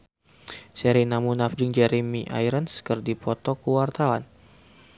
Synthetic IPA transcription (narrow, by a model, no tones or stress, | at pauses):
sɛɾinamunafdiŋd͡ʒɛɾimiʔa̰jɾənskərdipɔt̪ɔkuwart̪awan